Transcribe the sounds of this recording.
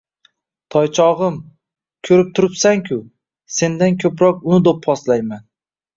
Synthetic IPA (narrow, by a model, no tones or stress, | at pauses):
t̪ʰɒjt͡ʃʰɒʁɨm | kʲʰɵɾɪp̚t̪ʰʊɾɪpsaŋkʲʰʊ | se̞nd̪ankʲʰɵpɾɒq̚ʊnɪd̪opʰːɒslajman